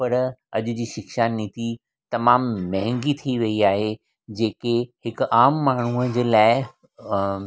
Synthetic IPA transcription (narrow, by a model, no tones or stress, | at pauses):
pɐɾɐ̰ʄd͡ʑiːʃɪkʃanit̪i | t̪ɐmaːmmɐɦɪ̃ŋɡit̪ʰiʋɐiaːɦe | d͡ʑeːkehɪkaːmːaːɳ̤uəd͡ʑeːlaːɪ